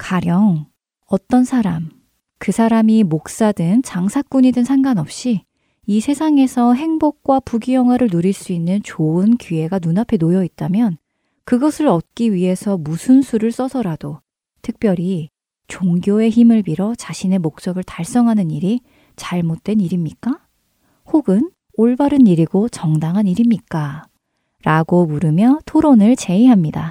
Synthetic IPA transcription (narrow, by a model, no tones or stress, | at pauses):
kaɾjʌŋ | ʌt͈ʌnsʰaɾam | kɯsʰaɾamimok̚s͈adɯŋt͡ɕaŋsʰak͈uɲidɯnsʰaŋɡanʌp̚ɕ͈i | isʰe̞sʰaŋe̞sʰʌɦe̞ŋbok̚k͈wapuɡijʌŋɦwaɾɯɭnoɾiɭs͈uinːɯnt͡ɕoɯnkie̞ɡanunapʰe̞nojʌit̚t͈amjʌn | kɯɡʌsʰɯɾʌt̚k͈iɥiɦe̞sʰʌmusʰɯnsʰuɾɯɭs͈ʌsʰʌɾado | tʰɯk̚p͈jʌɾi | t͡ɕoŋɡjoe̞çimɯɭbiɾʌt͡ɕaɕʰine̞mok̚t͡ɕ͈ʌɡɯɭtaɭs͈ʌŋɦanɯniɾi | t͡ɕaɭmot̚t͈we̞niɾimɲik͈a | hoɡɯn | oɭbaɾɯniɾiɡot͡ɕʌŋdaŋɦaniɾimɲik͈a | ɾaɡomuɾɯmjʌtʰoɾonɯɭt͡ɕe̞iɦamɲida